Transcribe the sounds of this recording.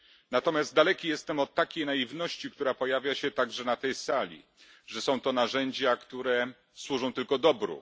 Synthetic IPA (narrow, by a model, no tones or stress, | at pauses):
nat̪ɔmʲjazd̪̚d̪alɛkʲijɛst̪ɛmɔt̪ːakʲejnaivnɔɕt͡ɕikt̪uɾapɔjavʲjaɕɛt̪aɡʐɛnat̪ɛjsalʲḭ | ʐɛsɔ̃w̃t̪ɔnaʐɛɲd͡ʑakt̪uɾɛ | swuʐɔ̃w̃t̪ɘlkɔd̪ɔbɾṵ